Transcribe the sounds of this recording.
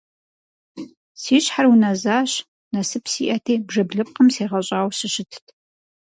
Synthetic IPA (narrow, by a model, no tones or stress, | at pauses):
siːɕħarwunɐzaːɕ | nɐsɨpsḭːʔɐtʰeːbʐɐbɮɨp̚qəmseːʁɐɕʼaːwsɨɕɪtʰtʰ